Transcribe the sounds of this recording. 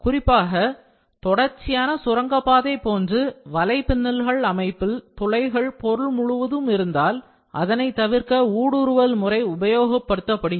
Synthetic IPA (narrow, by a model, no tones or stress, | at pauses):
kʊrɪpːaːɣɐ | t̪ɔɽɐɾt͡ʃːɪjaːnɐsʊrɐŋɡɐpːaːðɐɪpoːndrɯʋɐlɐɪpɪnːɐlɣɐɭɐmɐɪpːɪlt̪ɔlɐɪɣɐɭpɔɾɯɭmʊɻʊʋɐðɯmɪɾɯnd̪aːl | ʔɐ̰ðɐnɐɪt̪ːɐʋɪɾkɐuːɽɯɾɯʋɐlmʊrɐɪʊbɐjoːɣɐpːɐɽɯt̪ːɐpːɐɽɪ